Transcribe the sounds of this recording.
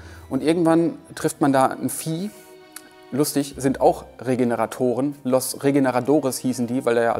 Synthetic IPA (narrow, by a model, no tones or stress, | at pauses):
ʔʊntʔɪɐɡŋ̩tv̥antʁ̥ɪftmandaːnfiː | lʊstɪçz̥ɪntaʊxʁeɡenəʁatʰoːʁənlɔsʁeɡenəʁadoːʁɪshiːsn̩diːvaɪleːɐja̰